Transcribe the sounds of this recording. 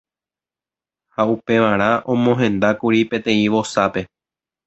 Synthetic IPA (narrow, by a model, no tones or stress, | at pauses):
haupe̞ʋaɾ̃ãʔõ̞mõɦẽ̞nd̪akuɾipẽ̞t̪ẽ̞ĩʋo̞sape̞